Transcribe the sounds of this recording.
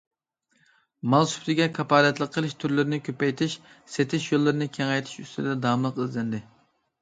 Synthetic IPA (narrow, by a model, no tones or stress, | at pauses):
mɑlˠsy̥pt̪ʰɪɡʲɛkʰɑpɑːlɛt̪lˠəqʰːəlˠɨʃt̪ʰyɾlɪɾɪnɪkʲʰøpɛjt̪ʰɪʃ | set̪ʰɪʃjolˠːɨɾɨnɪkʲʰɛŋɛjt̪ʰɪ̥ʃyst̪ʰɪd̪ɛd̪ɑːmlˠəqizlɛnd̪ɪ